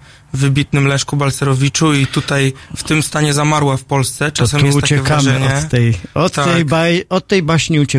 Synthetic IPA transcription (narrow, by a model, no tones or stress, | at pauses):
vɘbʲit̪nɘmlɛ̃ʂkubalsɛɾɔvʲit͡ʂuit̪ut̪ajft̪ɘmst̪aɲɛzamaɾwafpɔlst̪sɛt͡ʂ̪aɔsɛmuɛsut͡ɕɛɛvkamaɲɔɛt̪t̪ːɛjɔt̪aːɛjbajɔt̪ːɛjbaɕɲiut͡ɕɛ